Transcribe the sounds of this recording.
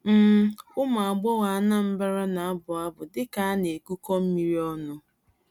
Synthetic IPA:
m̩˦ʊ˦ma˨a˨ɡ͡bɔ˦wa˨a˦na˦m̩˦ba˦ɾa˦na˨a˦bʊ˨a˦bʊ˨dɪ˦ka˦a˦ne˨ku˦kɔ˦m̩˦mi˦ɾi˦ɔ˦nʊ˦

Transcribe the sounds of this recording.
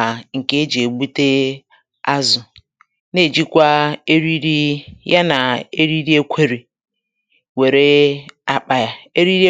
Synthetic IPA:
ŋ̩˨ke˦d͡ʒe˨ɡ͡bu˦te˦ | a˦zʊ˨ | ne˦˨d͡ʒi˦kʷa˦e˦ɾi˦ɾi˦ja˦na˨e˦ɾi˦ɾi˦e˦kʷʰe˦ɾi˨ | we˨ɾe˦a˨k͡pa˨ja˦e˦ɾi˦ɾi˦

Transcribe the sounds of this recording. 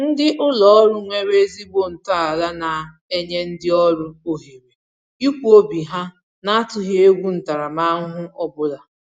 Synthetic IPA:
n̩˦dɪ˦ʔʊ˦lɔ˦ɾʊ˦ŋʷe˦ɾe˦zi˦bo˦˨n̩˨ta˦a˨la˦na˨ | e˦ɲe˦n̩˦dɪ˦ɔ˦ɾʊ˦o˨ɦi˨me˨ | i˦kʷu˦o˦bi˨ɦa˦ | na˦a˦tʊ˨ɦe˦e˦ɡʷu˦n̩˨ta˨ɾa˨ma˦ɦʊ˦ʔɔ˦bʊ˦la˨

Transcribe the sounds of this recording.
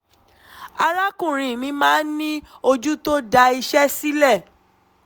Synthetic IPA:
a˧ɾa˦kũ˦˨ɾ̃ĩ˨mĩ˧˦mãː˦nĩ˦o˧d͡ʒu˦to˦da˧i˧ʃɛ˦si˦lɛ˦˨

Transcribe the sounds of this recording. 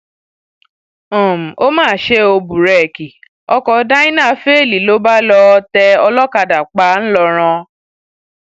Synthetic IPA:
ɔ̃˨m̩˨o˦mãː˦˨ʃe˦o˧bu˨ɾɛ˨ki˨ | ɔ˧kɔ˧da˦ĩ˦nã˦˨˦fe˦˨li˨lo˦ba˦lɔ˧tɛ˧ɔ˧lɔ˦ka˧da˨k͡pa˧˦n̩˦lɔ˧ɾ̃ã˧

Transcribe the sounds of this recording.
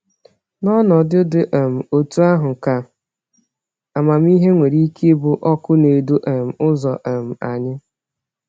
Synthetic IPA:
nɔ˦nɔ˨dɪ˦dɪ˦ʔe˨m̩˨o˨tu˦a˦ɦʊ˨ka˨ | a˨ma˨m˦i˦ɦe˦ŋʷe˨ɾi˦ke˦bʊ˨ʔɔ˦kʊ˦ne˨du˦ʔe˨m̩˨ʊ˦zɔ˨ʔa˨m̩˨a˨ɲɪ˦

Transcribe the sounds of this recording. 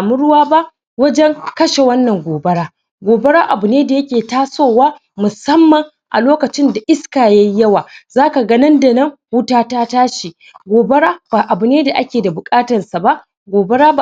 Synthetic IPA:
a˨mʊ˦ɽʊ˦waː˦ba˦ʔ | wɐ˦d͡ʒɛ˦ŋkɐ˦ʃe˨wɐ˦nːɐ˨ŋɡʷoː˨bɐ˦ɽaː˦ | ɡʷoː˨bɐ˦ɽaː˦ʔa˨bʊ˨neː˦da˨jɐ˦kʲeː˨taː˦soː˦˨waː˦ | mʊ˨sɐ˦mːɐ˨ŋ | ʔa̰˨loː˦kɐ˨t͡ʃɪ˦nda˨ʔɪ˦skaː˨ja˦i˦jːɐ˦waː˨zaː˦ka˨ɡɐ˦nɐ˦nda˨nɐ˦ŋwʊ˦taː˦taː˦taː˦ʃi˨ | ɡʷoː˨bɐ˦ɽaː˦baː˨ʔa˨bʊ˨neː˦da˨ʔa˦kʲeː˨da˨bʊ˨kʼaː˦tɐ˨nsa˨ba˦ʔ | ɡʷoː˨bɐ˦ɽaː˦b

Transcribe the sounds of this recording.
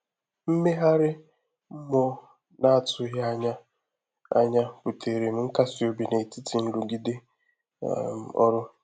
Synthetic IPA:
m̩˦me˦ɦa˦ɾɪ˦ | m̩˦mɔ˦ | na˦a˨tʊ˦ɦa˦a˦ɲa˦ | a̰˦ɲa˦pʊ˨tʰe˨ɾe˨m̩˦ŋ̩˦ka˦si˨o˨bi˨ne˨ti˦ti˨n̩˦lu˨ɡi˦dḛ˦˨ | m˨ɔ̰˦ɾʊ˦

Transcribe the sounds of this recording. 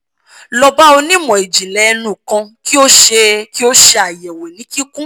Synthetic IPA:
lɔ˧ba˦o˧nĩ˦˨mɔ̃˨e˨d͡ʒi˨lɛ˨˧nũ˨kã˧ki˦o˦ʃe˧ki˦o˦ʃe˧a˨jɛ˨we˨nĩ˨˦ki˦kũ˦

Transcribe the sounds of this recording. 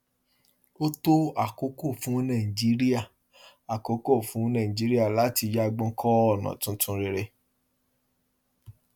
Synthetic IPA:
o˦to˦a˦˨ko˨˦ko˦˨fũ˨˦nã˦˨i˨d͡ʒi˨˦ɾi˦a˦˨ | a˨ko˨˦ko˦˨fũ˨˦nã˦˨ĩ˨d͡ʒi˨˦ɾi˦a˦˨la˨˦ti˧d͡ʒa˦˧ɡ͡bɔ̃˧˦kʰɔ˦ɔ˦˨nã̰˨tũ˧˦tũ˧ɾe˧ɾe˧

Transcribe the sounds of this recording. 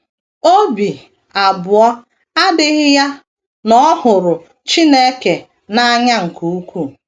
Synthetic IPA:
o˦bi˨ | a˨bʊ˨ɔ˦ | a˦dɪ˦ɣɪ˦ja˦ | nɔ˦hʊ˨ɾʊ˨ | t͡ʃi˦ne˦ke˨ | na˦ɲa˦ŋ̩˨ku˨u˦kʷu˦

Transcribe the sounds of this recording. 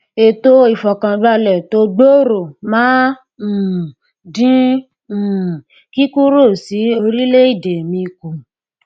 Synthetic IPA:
e˨to˧˦i˦˨fɔ˨kã˨ɡ͡ba˧lɛ˨to˧˦ɡ͡bo˦ɾo˨mã˨˦˨ | dĩ˦˨ | ki˦ku˦ɾo˦˨si˨˦o˧ɾi˦le˦i˦˨de˨mĩ˧ku˨

